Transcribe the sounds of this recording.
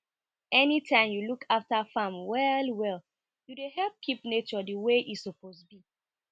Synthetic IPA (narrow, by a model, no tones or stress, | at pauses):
ɛnitʰãɪ̃mjulukʰaftafãmwɛlwɛl | judeɦɛlˠp̚kʰipnet͡ʃɔdəweʔisɔposbi